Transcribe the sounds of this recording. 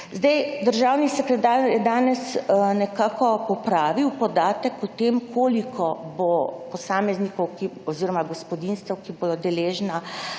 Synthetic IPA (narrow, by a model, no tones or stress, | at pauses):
zd̪ɛjd̪əɾʒaːwnisɛkɾɛt̪aːɾjɛd̪aːnɛsnɛkaːkɔpɔpɾaːʋiwpɔd̪aːt̪əkɔt̪eːmkʰoːlikʰɔbopɔsaːmɛznikɔwkiɔziːɾɔmaɡɔspɔd̪inst̪ɛwkiboːd̪ɔd̪ɛleːʒna